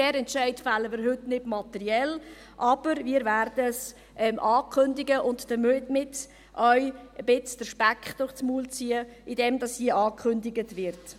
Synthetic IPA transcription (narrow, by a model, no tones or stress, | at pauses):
d̥ɛːɾɛntʃɛɪtfalːəmɪːɾɦɵtnɪdmɑtɛɾiɛl | ʔɑb̥əɾmiːəɾvæɾd̥əs | ʔɛmʔɑːkʰχʏndɪɡəʔʊntd̥əmytmɪt | ʔœʏəb̥ɪt͡sd̥əɾʃpækχd̥ʊχt͡smuːlt͡siːəʔidɛmdɑshiəʔɑːkʰχʏndɪɡətvɪɾt